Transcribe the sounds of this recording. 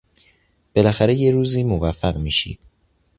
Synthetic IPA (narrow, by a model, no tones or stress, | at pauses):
b̥e̞læxæɾe̞je̞ɾuːziːmovæfːæɣmiːʃḭːd̪̥